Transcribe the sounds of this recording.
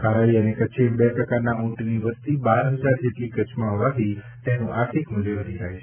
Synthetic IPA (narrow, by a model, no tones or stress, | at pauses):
kaɾaiənekət͡ʃʰebɛpɾəkaɾnaũʈniʋəst̪ibaɾɦəd͡ʒaɾd͡ʒeʈlikət͡ʃmãɦoʋat̪ʰit̪enũʔaɾt̪ʰikmʊleʋəɾid͡ʒajt͡ʃʰe